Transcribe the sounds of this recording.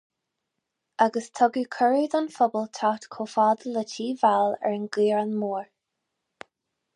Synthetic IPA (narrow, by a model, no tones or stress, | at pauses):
aɡəst̪ʰɔɡəkʰəɹəːd̪ɔnfɔbəlt̪ʰatkʰoːfɑːd̪ələtʰiːvalɛ̰ɹənɡiːɹanmuːɹ